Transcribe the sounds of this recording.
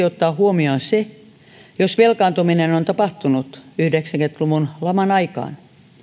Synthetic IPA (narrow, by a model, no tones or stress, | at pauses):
iot̪ːɑːhuomionse | josʋelkɑːnt̪uminenont̪ɑpɑht̪unut̪yhdeksæŋkent̪luʋunlɑmɑnɑikɑ̰ːn